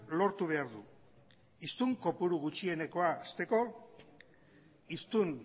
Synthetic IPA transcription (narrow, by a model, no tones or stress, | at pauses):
lo̞ɾt̪uβ̞e̞aɾðu | ist̪uŋko̞puɾuɣ̞ut͡ʃie̞ne̞ko̞aːst̪e̞ko̞ | ist̪un